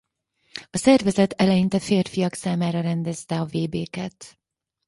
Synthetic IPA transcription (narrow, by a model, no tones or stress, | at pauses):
ɒsɛrvɛzɛt̪ɛlɛjint̪ɛfeːrfijɒksaːmaːɾɒɾɛnd̪ɛzt̪ɛɒveːbeːkɛt̪